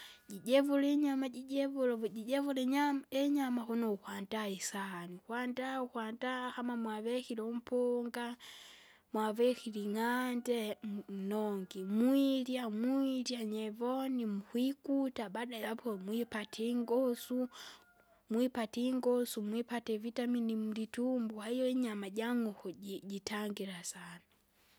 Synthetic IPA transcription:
ɟiɟɛvulɛɲamaɟiɟɛvulɟiɟɛvulɛɲamɛɲamahunɔuhwandaɛsanihwandauhwandahamamwavɛhilɔm̩pʰɔŋɡa | mwavɛkiliŋandɛm̩nɔŋɡimwiɾjamuiɾjaɲɛvɔnimuhwikutabadalapʰɔmwipatʰiŋɡɔsu | mwipatiŋɡɔsumwipatɛvitaminim̩ditumbuhaijɔɲamaɟaŋuhɔɟitaŋɡiɾasana

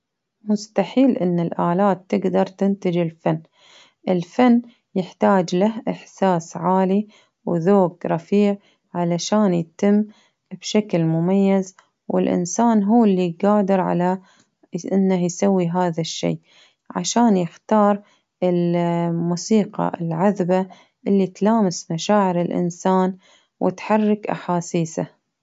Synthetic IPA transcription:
mʊst̪aħiːlʔɪnːɪlʔaːlaːt̪ːɪɡd̪ɑɾˤt̪ɪnt̪ɪd͡ʒɪlfanː | ʔɪlfanː | jɪħt̪aːd͡ʒlahʔɪħsaːsʕaːli | wðoːɡɾˤɑfiːʕ | ʕalaʃaːnjt̪ɪmː | b̥ʃaklmʊmajːaz | wɪ̰lʔɪ̰nsaːnɦuːlːiɡaːd̪ɪɾʕa̰la | ʔɪnːahjsawːiɦaːðaʃːḛː | ʕa̰ʃaːnjɪxt̪ɑːɾˤ | ɪlmuːsiːqɑ̰ɪlʕaðba | ʔɪlːit̪laːmɪsmaʃaːʕɪɾɪlʔɪ̰nsaːn | wʔɪ̰t̪ħɑrˤːɑkʔa̰ħaːsiːsa̰

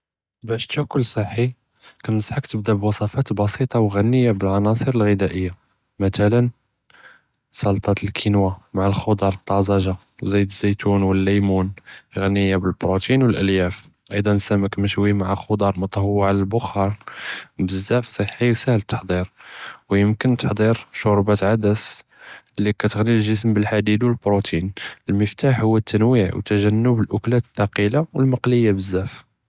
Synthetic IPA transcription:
bæʃt̪ækʊlsˤəħːi | kænnəsħəkt̪əb̚d̪æbwɑsˤɑfɑt̪bɑsit̪ˤɑwɣænːəjːabəlʕɑnɑsˤəɾəlɣəd̪æʔəjːa | mət̪ælən | sˤɑlt̪ˤɑt̪əlkʰinwamaʕalxod̪ɑɾˤət̪ˤːɑzɑʒa | zæjd̪əzːæjt̪unwəlːæjmunɣænːəjːabəlbɾot̪inwəlʔəljæf | ʔɑjd̪ˤɑnsæməkməʃwimaʕaxod̪ˤɑɾˤmɑt̪ˤɑhwwːəʕaləlbʊxɑɾˤbəzːæfsˤəħːisæhlt̪ːə̥ħd̪ˤiɾwjəmkənt̪ə̥ħd̪ˤiɾʃoɾˤbæt̪ʕad̪æs | lːikæt̪əɣnilʒəsmbəlħad̪id̪wəlbɾot̪ʰinəlməft̪aħhʊwːət̪ʰːænwiʕwt̪æʒænːəbəlʔʊklæt̪əθɑqilawəlmɑqləjːabəzːæf

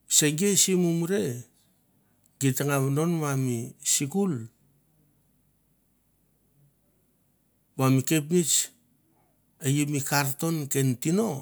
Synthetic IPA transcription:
se̞ɡiesimumuɾe̞ | ɡitaŋaβno̞nmamisikul | mamike̞p̬nit͡ʃ | ejimikaɾto̞nke̞ntino̞

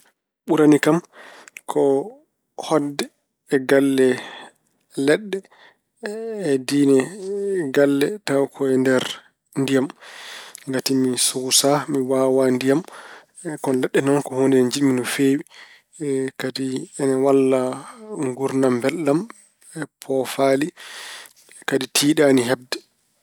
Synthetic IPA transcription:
ɓuɾanikamkʰɔ | hɔdːɛː | ɡalːɛ | lɛɗːɛ | diːnɛɡalːɛtawkʰɔɛndɛɾ | ndijam | ŋɡatimisuɡusamiwaːwandijam | kɔnlɛɗːɛnɔnkɔhoːndiɛnɛd͡ʒiɗminɔfeːwi | kadiɛnawalːaŋɡuɾnambɛlɗam | ɛpʰɔfali | kaditʰiːɗaniɦab̚dɛ

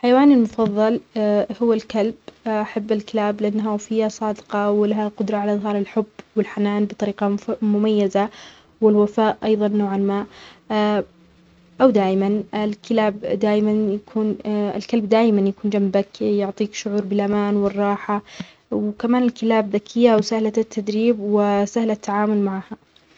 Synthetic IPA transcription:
lħajawaːnɪlmʊfɑðˤːɑlhʊwːalkalbʔaħabːɪlkɪlaːblɪʔanːɦafɪjːasˤɑːd̪qɑwɪlaɦaqʊd̪ɾˤɑʕalaʔðˤɦɑːɾˤɪlħʊbːwɪlħanaːnbɨt̪ˤɑɾiːqɑmʊmajːaza | wɪlwafaːʔʔɑjðˤɑnːoːʕalmaːʔ | ʔawd̪aːʔɪmanɪlkɪlaːbd̪aːʔɪmanjakʰuːnɪ̰lkalbd̪aːʔmanjakuːnd͡ʒambakjʊʕt̪ˤiːkʃʊʕuːɾˤbɪlʔamaːnwɪrˤːɑːħa | wkamaːnɪlkɪlaːbðakʰɪjːaʔwsahlat̪ʰːad̪ɾiːbwɪsahlat̪ːaʕaːmʊlmaʕaha

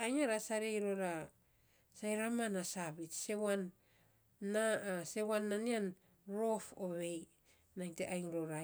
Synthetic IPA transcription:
ajŋaɾasaɾejɾoɾa | sajɾamanasaβitse̞wanː | ase̞wanːanian | ɾo̞foβe̞j | naŋteʔajŋɾoɾa

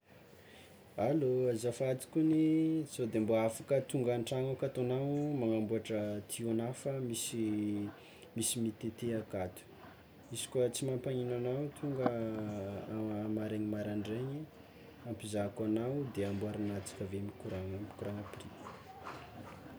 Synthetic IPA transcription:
aloazafat̪i̥kʲuniz̥od̪emboafakət̪uŋɡanʈ͡ʂaŋakat̪anawmaŋambuaʈ͡ʂət̪ʰionafəmisi | misimit̪et̪eakat̪u̥ | izi̥kwət͡simampaɲinanawt̪ʰuŋɡə | maɾeɲimaɾaɳɖ͡ʐeɲi | ampizakanawd̪eambuaɾinat͡si̥kəvemikuɾaŋami̥kuɾaŋapiri̥

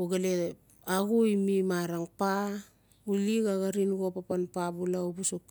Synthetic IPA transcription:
uɡale | aɡuimimaɾaŋpa | uliɡaɣaɾinɡo̞papanpabulaubusuk

